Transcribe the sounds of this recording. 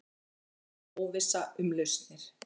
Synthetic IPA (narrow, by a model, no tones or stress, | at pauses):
ɔːwvɪsaʏmlœɥst̪nɪɾ̥